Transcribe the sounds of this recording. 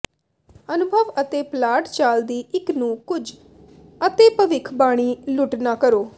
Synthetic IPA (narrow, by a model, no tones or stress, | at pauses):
ənʊbʱəʋət̪eːplaːʈt͡ʃaːld̪iːʔɪknũːkʊd͡ʒ | ət̪eːpəʋɪkʰbaːɽ̃iːlʊʈnaːkəɾoː